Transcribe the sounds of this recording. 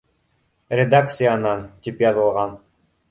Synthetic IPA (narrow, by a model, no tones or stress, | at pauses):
rʲed̪ak̚t̪sɨjanɑnt̪ipjɑzɯlˠʁɑn